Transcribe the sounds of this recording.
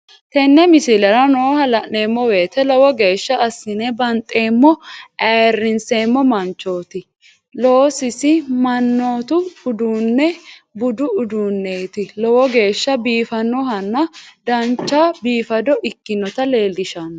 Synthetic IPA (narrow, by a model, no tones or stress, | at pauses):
t̪ɛnːɛmɪsɪlɛɾɐnoːhɐlɐʔneːmːɔwe̞ːt̪ɛlɔwɔɡe̞ːʃːɐːsːɪnɛbɐnt̪ʼːe̞ːmːɔʔɐrːɪnseːmːɔmɐnt͡ʃːo̞ːt̪ɪ | lo̞ːsɪsɪmɐnːo̞ːt̪ʊʊd̪uːnːɛbʊd̪ʊʊd̪uːnːet̪ɪlɔwɔɡe̞ːʃːɐbiːfɐnːɔhɐnːɐd̪ɐnt͡ʃːabiːfɐd̪ɔʔɪkːɪnːɔt̪ɐleːlːɪʃɐnːɔ